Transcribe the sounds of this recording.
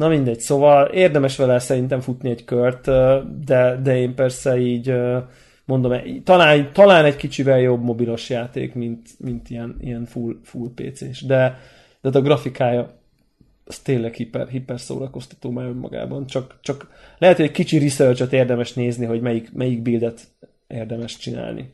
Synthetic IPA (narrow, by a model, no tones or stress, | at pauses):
nɒmind̪ɛɟ̥soːvɒleːrd̪ɛmɛʃʋɛlɛsɛɾint̪ɛɱfut̪niɛɟkørt̪ːd̪ɛd̪ɛeːmpɛrsɛiːɟø | mo̞nd̪o̞mɛit̪ɒlaːnt̪ɒlaːnɛɟkit͡ʃivɛljo̞bmo̞bilo̞ʃjaːt̪ḛːkmint̪mint̪iɛnḭɛnfulfulpḛːt̪seːʃd̪ɛ | d̪̥ɛːt̪ɒɡrɒfikaːjɒ | st̪eːlɛkhipɛrɦipɛrso̰ːɾɒko̞st̪ɒ̥t̪oːmaːɾømːɒ̰ɡa̰ːbɒnt͡ʃɒkt͡ʃɒklɛɦɛt̪hojɛckit͡ʃirisørt͡ʃot̪eːrd̪ɛmɛʃneːzniɦo̞ɟmɛjikmɛjiɡ̚bild̪ɛt̪ | ʔḛːrd̪ɛmɛʃt͡ʃina̰ːlnʔḭ